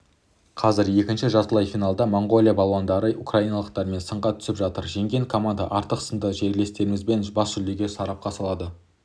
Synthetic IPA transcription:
qʰɑzɪɾje̞kʲɪnʃɪʒɑsəlˠɑjfijnɑlˠd̪ɑmoɴɡo̞lʲˠijabɑlˠwɑnd̪ɑɾəukrajijnɑlˠəqt̪ɑɾme̞nsəɴʁɑt̪ʰʏ̥sɪpʒɑt̪əɾʒe̞ŋɡʲe̞ŋkʰo̞mand̪ɑʔɑɾt̪əqsənd̪əʒe̞ɾle̞st̪e̞ɾɪmɪzbe̞nbɑsʒʏld̪eɾɡʲe̞sɑɾɑp̚qʰɑsɑlˠɑd̪ə

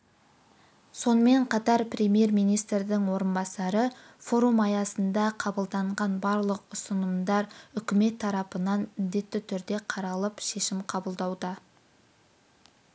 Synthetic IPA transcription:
so̞nəme̞ɴqʰɑt̪ɑɾpɾʲe̞mje̞ɾmijnijst̪ɾd̪ɪŋwo̞ɾənbɑsɑɾə | fo̞ɾumɑjɑsənd̪ɑqʰɑbəlˠd̪ɑɴʁɑnbɑɾlˠəqʊsənəmd̪ɑɾʏkʲɪme̞t̪ʰːɑɾɑpənɑnmɪnd̪e̞t̪ːɪt̪ʰʏɾd̪e̞qʰɑɾɑlˠəpʃe̞ʃɪmqʰɑbəlˠd̪ɑwd̪ə

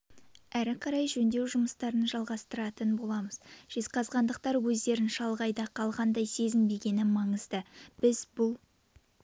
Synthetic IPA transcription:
æɾɪqʰɑɾɑjʒɵnd̪e̞wʒʊməst̪ɑɾənəʒɑlˠʁɑst̪əɾɑt̪ənbo̞lˠɑməz̥ʒ̥e̞zqɑzʁɑnd̪əq̚t̪ɑɾwɵzd̪e̞ɾɪnʃɑlˠʁɑjd̪ɑqʰɑlˠʁɑnd̪ɑjse̞zɪmbe̞ɡʲe̞nɪmɑɴəzd̪əb̥ɪzbʊlˠ

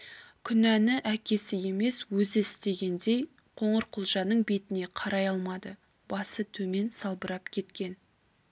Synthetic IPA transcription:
kʲʰʏnænɪʔækʲe̞sɪje̞me̞swɵzɪɪst̪e̞ɡʲe̞nd̪e̞j | qʰo̞ɴəɾqʰʊlˠʒɑnəɴbe̞t̪ɪne̞qʰɑɾɑjɑlˠmɑd̪ə | b̥ɑsət̪ʰɵme̞nsɑlˠbəɾɑpkʲʰe̞t̪kʲe̞n

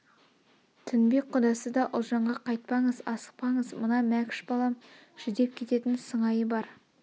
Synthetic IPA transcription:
t̪ʰʏnbe̞k̚qʰʊd̪ɑsəd̪ɑʔʊlˠʒɑɴʁɑqʰɑjt̪̚pɑɴəzɑsə̥q̚pɑɴəzmənɑmækʲɪ̥ʃbɑlˠɑm | ʒ̥ɪd̪e̞p̚kʲʰe̞t̪e̞t̪ɪnsəɴɑjəbɑɾ

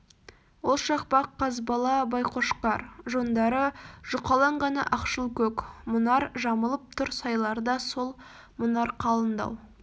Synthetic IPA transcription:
wo̞lˠʃɑq̚pɑqʰːɑzbɑlˠɑbɑjqʰo̞ʃqɑɾʒo̞nd̪ɑɾəʒ̥ʊqɑlˠɑɴʁɑnɑ̰ʔɑqʃəlˠkʲʰɵkmʊnɑɾʒɑməlˠəp̚t̪ʰʊɾsɑjlˠɑɾd̪ɑso̞lˠ | mʊnɑɾqʰɑlˠənd̪ɑ̰w

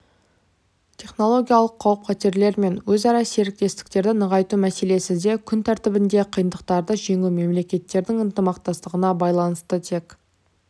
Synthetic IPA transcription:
t̪ʲʰe̞χno̞lˠo̞ɡʲijalˠəqʰːɑwəp̚qʰæt̪e̞ɾle̞ɾme̞nwɵzɑɾɑse̞ɾɪk̚t̪e̞st̪ɪ̥k̚t̪e̞ɾd̪ɪnəʁɑjt̪umæse̞le̞sɪzd̪e̞kʲʰʏnt̪ʰæɾt̪ɪbɪnd̪e̞qʰəjənd̪əq̚t̪ɑɾd̪əʒe̞ŋume̞mle̞kʲe̞t̪ːe̞ɾd̪ɪŋənt̪əmɑqt̪ɑst̪əʁənɑbɑjlˠɑnəst̪ət̪ʰe̞k

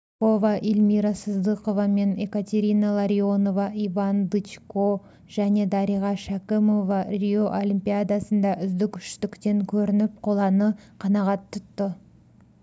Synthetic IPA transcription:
ko̞vɑʔilʲmiɾɑsəzd̪ɨqo̞vɑme̞ne̞kat̪ʲe̞ɾʲijnɑlˠaɾʲio̞no̞vɑʔivɑnd̪ɨt͡ʃko̞ | ʒ̥æne̞d̪ɑɾijʁɑʃakʲemo̞vɑrʲio̞ʔolʲimpʲijad̪ɑsənd̪ɑʔʏzd̪ɪkʲʰʏ̥ʃt̪ɪkt̪e̞ŋkʲʰɵɾɪnɪp̚qʰo̞lˠɑnəqʰɑnɑʁɑt̪ʰːʊt̪ːə

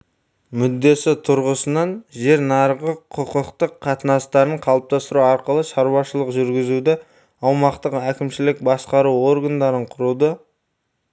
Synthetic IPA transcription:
mʏd̪ːe̞sɪt̪ʰʊɾʁəsənɑnʒe̞ɾnɑɾʁəqʰʊqəqt̪əqʰːɑt̪ənɑst̪ɑɾnəɴqʰɑlˠəp̚t̪ɑst̪əɾuɑɾqəlˠəʃɑɾwɑʃəlˠəqʒʏɾɡʲɪzud̪ɪ | ɑwmɑqt̪əqækʲɪmʃɪlɪk̚bɑsqɑɾuo̞ɾɡand̪ɑɾəɴqʰʊɾud̪ə

